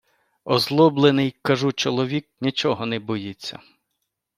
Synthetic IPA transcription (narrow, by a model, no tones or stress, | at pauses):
ɔzlˠɔblˠenɪjkɐʒut͡ʃɔlˠɔʋʲik̚nʲit͡ʃɔɦɔnɛbɔjit͡sʲːɐ̰